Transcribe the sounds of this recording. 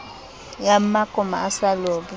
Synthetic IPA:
jamakʼɔma̰ːsaloːbi

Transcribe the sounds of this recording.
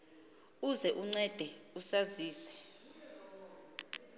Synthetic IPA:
uzɛʔuŋ͡ǀɛd̥ʱɛusaziːsɛ̥

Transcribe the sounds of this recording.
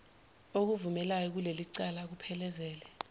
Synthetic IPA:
ok̬uvumɛlajɔk̬uleliǀalak̬upʰɛlɛzɛːlɛ

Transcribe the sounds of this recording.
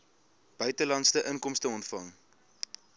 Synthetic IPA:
b̥œɥtəlɐntstəʔəŋkɔmstəɔntfɐŋ

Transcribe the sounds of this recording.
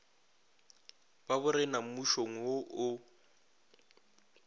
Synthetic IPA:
babʊɾɪnamuʃoŋ̩woʔʊ

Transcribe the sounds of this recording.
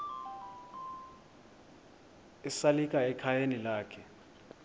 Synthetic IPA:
isalikʼaɛkʰajenilaːkʰɛ

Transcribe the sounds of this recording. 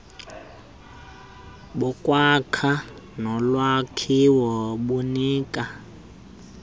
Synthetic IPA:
ɓukʼwakʰa | nɔlwakʰiwɔɓuniːkʼa

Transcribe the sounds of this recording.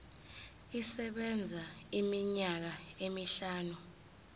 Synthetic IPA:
isɛɓɛnd͡zʱaimiɲak̬aemiɬaːnu

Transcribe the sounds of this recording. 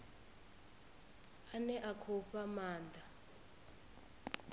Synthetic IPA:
anɛʔakʰɔɸamaːnd̪ʱa

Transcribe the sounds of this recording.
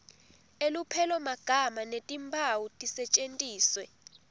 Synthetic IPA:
elupʰɛlɔmaɡ̥ʱamanetʼimbʰʱawutʼisɛt͡ʃʼentʼiːswɛ

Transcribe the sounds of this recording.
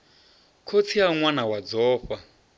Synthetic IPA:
kʰot͡sʰiaŋwanawad͡zɔːɸa

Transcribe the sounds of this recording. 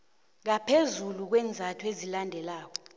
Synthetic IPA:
ŋ̬apʰezuluk̬wɛːnd͡zʱatʰuezilandʱɛlaːk̬ɔ̥

